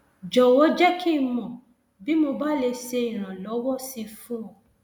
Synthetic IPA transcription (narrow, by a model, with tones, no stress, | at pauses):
d͡ʒɔ˨wɔ˨˦d͡ʒɛ˦ki˦˧mɔ̃˨ | bi˦mo˧ba˦le˧se˧ĩ˨ɾ̃ã˨lɔ˨˦wɔ˦si˧fũ˦ɔ˨